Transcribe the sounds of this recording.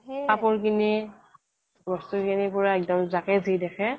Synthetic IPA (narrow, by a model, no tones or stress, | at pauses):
papɔɹkini | bɔstuɹkinipʊɹaɛk̚dɔmzakɛzidɛkʰɛ